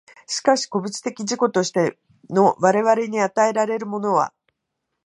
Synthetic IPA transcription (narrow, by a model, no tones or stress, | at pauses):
ɕi̥kaɕi̥ko̞bɯ̟t͡ɕi̥t̪e̞kʲiʑiko̞t̪o̞ɕi̥t̪e̞ | no̞βaɾe̞βaɾe̞ɲ̟iat̪ae̞ɾaɾe̞ɾɯ̟mo̞no̞βa̰